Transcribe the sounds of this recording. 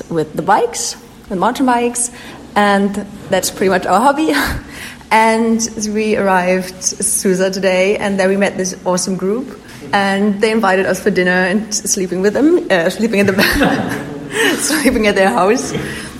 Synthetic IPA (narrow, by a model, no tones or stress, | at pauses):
wɪðəbaɪks | wɨðmãʊ̃ntə̃n̩baɪks | ɨ̃nðætspʰɹ̥ɪɾimʌt͡ʃaʊə˞ɦɑbi | ʔɨ̃nwiə˞aɪvdsʉzətɨdeɪɨ̰̃nðə̃˞wimɛt̪̚ðɪsɔsə̃mɡɹup | ɨ̃nðeɪɨ̃ɱvaɪɾɨɾʌsfə˞dɪ̃nə˞ɨ̃nslipɪ̃ŋwɨðə̃mslipɪ̃ŋɨt̪̚ðəbæ | slipɪ̃ŋɨt̪̚ðə˞ɦaʊs